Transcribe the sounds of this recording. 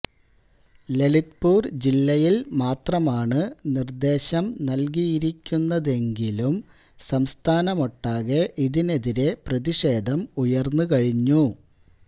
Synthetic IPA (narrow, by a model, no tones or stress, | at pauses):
le̞lit̪puːrd͡ʑilːɐjilmaːt̪rɐmaːɳɨnird̪e̞ːɕɐmnɐlkijiɾikʲːunːɐðe̞ŋɡilum | sɐmst̪ʰaːnɐmo̞ʈːaːɣeʔiðine̞ðiɾe̞prɐðiʂe̞ːd̪ʱɐmujɐrnːukɐɻiɲːu